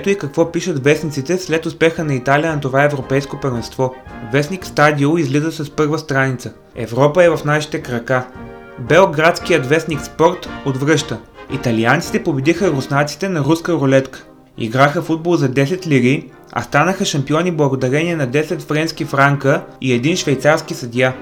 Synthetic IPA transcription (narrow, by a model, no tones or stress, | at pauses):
ɛt̪oikɐkvɔpiʃət̪vɛsnit̪sit̪ɛslɛt̪ʊspɛxənɐit̪alijənɐt̪ovaɛvɾopɛjskopəɾvɛnst̪vɔvɛsnikst̪ad̪ioizlizəsɐspɤɾvəst̪ɾanit̪sə | ɛ̰vɾɔpəɛvɐfnaʃi̥t̪ɛkɾɐka | bɛlˠɡɾat̪sk̟ijət̪vɛsnʲikspɔɾt̪od̪vɾɤʃt̪əḭt̪ɐliant̪si̥t̪ɛpobɛd̪ixəɾʊsnat̪si̥t̪ɛnɐɾuskəɾolɛt̪kə̥ | ḭɡɾaxəfud̪̚bolˠzɐd̪ɛsɛt̪lʲiɡi | ɐ̰st̪anəxəʃɐmpiɔniblˠɐɡod̪ɐɾɛniɛnɐd̪ɛsɛt̪fɾɛnskifɾaŋkəiɛd̪inʃvɛjt̪saɾskisɐd̪ʲja